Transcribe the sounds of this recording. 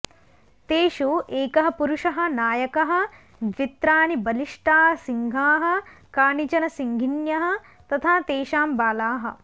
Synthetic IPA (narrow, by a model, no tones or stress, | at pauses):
t̪eːʃuʔeːkɐɦɐpuɾuʂɐɦɐ̆naːjɐkɐɦɐ̆ | d̪ʋit̪ɾaːnibɐliʂʈaːɦɐsiŋɡʱaːɦɐ̆kaːɳit͡ʃɐnɐsiŋɡʱinjɐɦɐ̆ | t̪ɐt̪ʰaːt̪eːʃaːmbaːlaːɦɐ̰̆